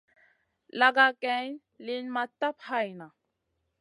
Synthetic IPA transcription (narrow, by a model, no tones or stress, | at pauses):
laɡakɛn | linmat̪ːaphajna